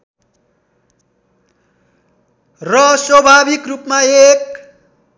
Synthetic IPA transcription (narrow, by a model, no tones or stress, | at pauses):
rʌswʌbʱabikrupmaek̚